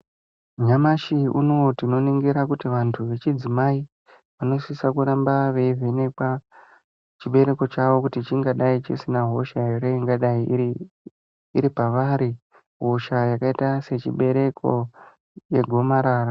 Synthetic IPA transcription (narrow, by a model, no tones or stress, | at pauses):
ɲamaʃiṵnotino̞niŋɡiɾakutiʋantʰuʋe̞t͡ʃid͡zimai | ʋano̞sisakuɾambaʋeivene̞kwa | t͡ʃiɓe̞ɾe̞ko̞t͡ʃaʋo̞kutit͡ʃiŋɡaɗait͡ʃisinaɦo̞ʃaireiŋɡaɗai | iɾipaʋaːɾi | ɦo̞ʃajakaitase̞t͡ʃḭɓe̞ɾe̞kʰo | je̞ɡʱo̞maɾaːra